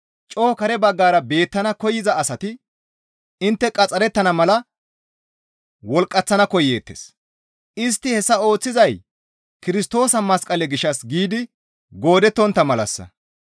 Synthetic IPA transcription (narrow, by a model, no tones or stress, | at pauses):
t͡ʃʼo̞ːkɐɾɛbɐɡːaːɾɐbe̞ːt̪ːɐnɐkɔjɪzɐːsɐt̪ɪ | ɪnt̪ːɛkʼɐt͡sʼːɐɾɛt̪ːɐnɐmɐlɐ | wɔlkʼːɐt͡sːɐnɐkɔje̞ːt̪ːḛs | ʔɪst̪ːɪhɛsːɐo̞ːt͡sːɪzɐj | kɪɾɪst̪o̞ːsɐmɐskʼɐlɛɡɪʃːɐsɡiːd̪ɪ | ɡo̞ːd̪ɛt̪ːɔnt̪ːɐmɐlɐ̰sːɐ̰